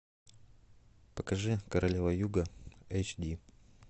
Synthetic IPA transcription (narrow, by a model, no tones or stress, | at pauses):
pəkɐʐɨkɐɾɐlʲevɐjuɡəejt͡ɕd̪ʲi